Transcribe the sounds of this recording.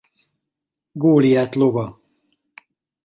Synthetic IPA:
ɡoːlijaːt̪lovɒ

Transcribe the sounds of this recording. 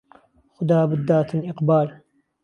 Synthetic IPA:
xʊd̪aːbɪd̪ːaːt̪ɪnʔɪqbaːl

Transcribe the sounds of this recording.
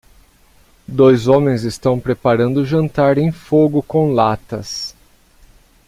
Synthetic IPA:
d̪ojzõmẽj̃zɪst̪ɐ̃w̃pɾepaɾɐ̃nd̪ʊʒɐ̃nt̪aɾẽj̃foɡʊkõw̃lat̪ɐs

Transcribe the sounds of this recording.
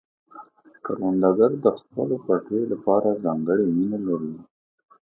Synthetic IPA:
kaɾwand̪aɡaɾd̪əxpəlopaʈelapɑɾazɑŋɡəɽeminalaɾi

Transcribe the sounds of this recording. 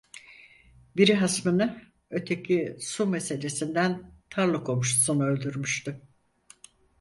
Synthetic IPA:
biɾiɦasmɯnɯ | ø̞t̪ʰe̞cʰisume̞se̞lʲe̞sind̪ænt̪ʰaɾlˠɯkomuʃsonuø̞lʲd̪yɾmyʃt̪ʊ

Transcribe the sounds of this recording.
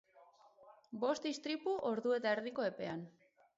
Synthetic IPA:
bo̞st̪ist̪ɾipuʔo̞ɾðue̞t̪aeɾðiko̞e̞pe̞an

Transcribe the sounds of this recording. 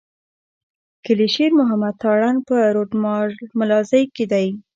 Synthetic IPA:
kɪliʃiɾmʊɦamad̪̚t̪ɑɽanpəɾoʈmɑmalɑzəjked̪aj

